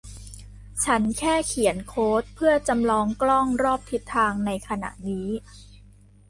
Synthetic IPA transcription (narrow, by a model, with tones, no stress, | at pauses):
t͡ɕʰa˦˥nkʰɛː˥˩kʰi˨˩˦ənkʰoː˦˥t̪̚pʰɯ˥˩ɐt͡ɕa˧mlɔː˧ŋklɔ˥˩ŋɾɔː˥˩p̚t̪ʰi˨˦˥t̪ʰːaː˧ŋna˧jkʰa˧na̰˨˩ʔniː˦˥